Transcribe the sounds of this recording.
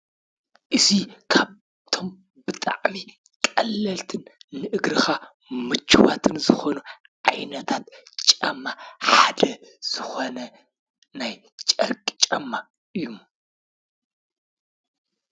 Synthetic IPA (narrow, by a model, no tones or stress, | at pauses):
ʔɨzikʰaβ | t̪ʰo̞m | bɨt̪ʼa̰ʕmi | kʼɐlːɐlt̪ʰɨnːɨʔɨɡɾɨxa | mɨt͡ʃʰːuwa̰t̪ʰɨnzɨxonu | ʕajnɐt̪ʰat̪t͡ʃʼɐmːaħad̪ɐz̥ɨxo̞nɐ | naj | t͡ʃʼɐ̰ɾkʼit͡ʃʼɐmːa | ʔɨjːum